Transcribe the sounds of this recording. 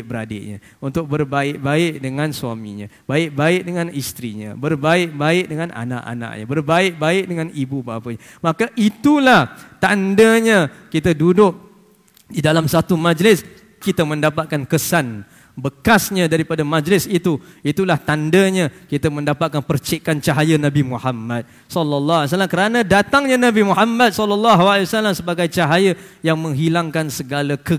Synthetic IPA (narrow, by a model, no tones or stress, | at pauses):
ʔ̚bəɾadɪ̰ʔɲã̰ | unt̪ʊk̚bərbaɪʔ̚baɪʔ̚dəŋãnsuamḭ̃ɲa̰ | baɪʔ̚baɪʔ̚dəŋãnist̪ɾiɲã̰bərbaɪʔ̚baɪʔ̚dəŋãnʔa̰na̰ʔa̰na̰ʔ̚ɲa̰bərbaɪʔ̚baɪʔ̚dəŋãnibubaɦapəɲa | makaʔit̪ulaht̪andaɲãkit̪adudʊʔ̚ | didalamsat̪umãd͡ʒlɪs | kit̪əmə̃ndapat̪̚kankəsan | bəkasɲãdaɾipadamãd͡ʒlɪsit̪uit̪ulaht̪andəɲãkit̪amə̃ndapat̪̚kanpərt͡ʃɛkant͡ʃaɦajənabimuhamːat̪̚ | sɔlːɔlːɔɦs̬alːamkəɾanãdat̪aŋɲãnabimuħamːad̪̚sɔlːɔlːɔɦaliwasalamsəbaɡajt͡ʃaɦajəjaŋmə̃ŋɦilaŋkansəɡalakə